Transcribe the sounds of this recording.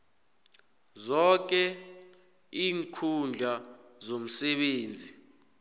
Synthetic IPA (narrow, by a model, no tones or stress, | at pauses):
zɔk̬ʼɛ | iːŋkʰund͡ɮʱazom̩sɛɓeːnd͡zʱi